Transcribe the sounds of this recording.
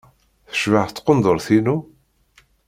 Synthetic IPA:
θə̥ʃvaʕθət͡s̪ːqond̪ˤoɾθinu

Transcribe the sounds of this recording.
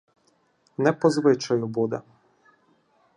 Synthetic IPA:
nɛpɔzʋɪt͡ʃajubud̪ɛ̰

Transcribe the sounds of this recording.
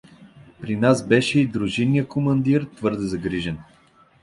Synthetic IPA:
pɾinasbɛʃɛid̪ɾuʒinijəkomɐnd̪iɾt̪vɤɾd̪ɛzɐɡɾiʒɛn

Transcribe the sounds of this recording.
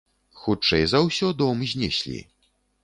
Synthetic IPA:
xut͡ʂɛjzɐwsʲɔd̪ɔmzʲnʲɛsʲlʲḭ

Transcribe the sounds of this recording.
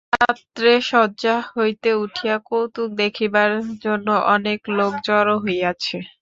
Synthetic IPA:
at̪ːɾeʃɔːd͡ʑahojt̪euʈʰijakowt̪uk̚d̪ekʰibaɾd͡ʑonːoʔɔneklokd͡ʑɔɾoɦojat͡ɕʰe

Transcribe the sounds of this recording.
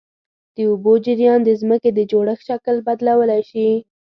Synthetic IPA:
d̪̥əʊbod͡ʒɪɾjɑnd̪əzməked̪əd͡ʒoɽəxʃakəlbad̪lawəlajʃi

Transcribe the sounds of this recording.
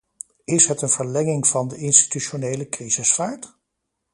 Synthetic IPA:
ɪsɦətənv̥əɹlɛŋɪŋvɑndəɪnsti̥tyʃonejləkrizɪsfaːɹt

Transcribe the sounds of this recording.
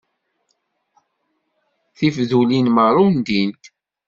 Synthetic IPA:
θifðulinməɾˤʊnd̪int̪

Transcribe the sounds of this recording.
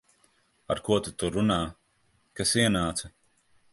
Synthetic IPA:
a̰ɾkuɔt̪ut̪uɾunaː | kasiɛnaːt̪sɐ

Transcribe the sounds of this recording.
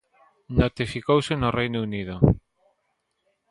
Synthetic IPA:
not̪ifikowsenorejnouniðo

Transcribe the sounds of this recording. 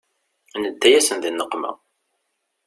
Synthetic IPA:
nəd̪ːæjæsənðinːəqːmæ̰

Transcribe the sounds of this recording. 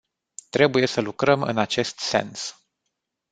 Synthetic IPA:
t̪ɾe̞buje̞səlukɾəmɨ̰nat͡ʃe̞st̪se̞̰ns

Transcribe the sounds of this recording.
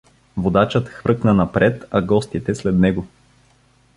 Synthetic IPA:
vod̪at͡ʃət̪xvɾɤknənɐpɾʔɛt̪ɐɡɔst̪it̪ɛslɛd̪nɛɡo

